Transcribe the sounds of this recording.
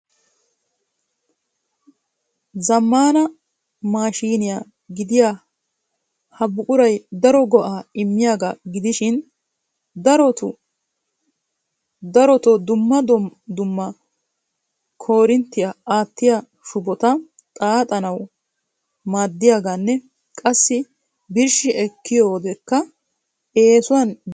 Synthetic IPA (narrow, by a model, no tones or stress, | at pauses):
zɐmːaːnɐ | maːʃiːnɪja | ɡɪd̪ɪja | hɐbʊkʼʊɾɐjd̪ɐɾɔɡɔʔaːɪmːɪjaːɡaɡɪd̪ɪʃɪn | d̪ɐɾɔt̪ʊ | d̪ɐɾɔt̪ɔd̪ʊmːɐd̪ɔd̪ʊmːɐ | kʰo̞ːɾɪnt̪ːɪjaaːt̪ːɪja | ʃʊbɔt̪ɐ | t̪ʼaːt̪ʼɐnɐw | maːd̪ːɪjaːɡanːɛ | kʼɐsːɪ | bɪɾʃɪʔɛkːɪjoːd̪ɛkːɐ | eːsʊwɐn